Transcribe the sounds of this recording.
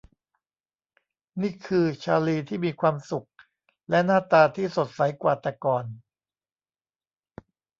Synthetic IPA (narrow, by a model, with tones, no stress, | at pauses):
niː˥˩kʰɯː˧t͡ɕʰaː˧liː˧t̪ʰiː˥˩miː˧kʰwaː˧msu˨˩k̚ | lɛ˦˥naː˥˩t̪aː˧t̪ʰiː˥˩so˨˩t̪̚sa˩˦jkwaː˨˩t̪ɛ˨˧˩kɔː˧n